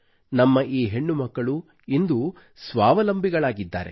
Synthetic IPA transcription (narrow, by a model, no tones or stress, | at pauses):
nɐmːɐʔiːɦe̞ɳːumɐkːɐɭu | ind̪u | sʋaːʋɐlɐmbʱiɡɐɭaːɡid̪ːa̰ːɾe